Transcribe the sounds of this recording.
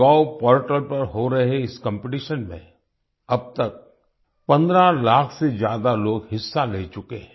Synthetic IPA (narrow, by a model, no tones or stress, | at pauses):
aːpɔːɾʈəlpɐɾɦoɾɐɦeɪskə̃mpeʈ̬iʃənmḛ̃ | ɐb̚t̪ɐk̚ | pɐ̃nd̪ɾalaːkʰsezjaːd̪aloːɡhɪsːaleːt͡ʃʊkeɦɛ̃